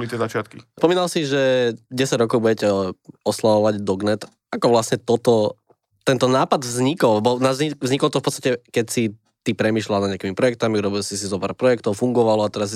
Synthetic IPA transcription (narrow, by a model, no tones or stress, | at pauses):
bɔlit̪ɪɛzat͡ʃɪat̪kispɔmiːnalsiʒɛɟɛsaɟɾɔkɔʊbuɟɛcɛɔslaʋɔʋaɟd̪ɔɡnɛt̪ | akɔʋlasɲɛt̪ɔt̪ɔ | t̪ɛnt̪ɔnaːpad̪vzɲikɔlɛbɔnazivzɲikɔlt̪ɔfpɔtt͡st̪acɛkɛcsi | t̪ipɾɛmiːʃlalnadɲɪakimipɾɔjɛkt̪amiuɾɔbilsisizɔpa̰ːɾpɾɔjɛkt̪ɔʊfuŋɡɔʋalɔat̪ɛɾas